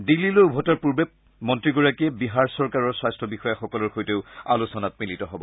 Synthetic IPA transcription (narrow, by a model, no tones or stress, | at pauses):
dilːiloubʱɔtaɹpuɹbe | mɔntɹiɡɔɹakiɛbiɦaɹsɔɹkaɹɔɹswajstɹɔbixɔjaxɔkɔlɔɹxojteʊa̰lusɔnat̚militɔɦɔbɔ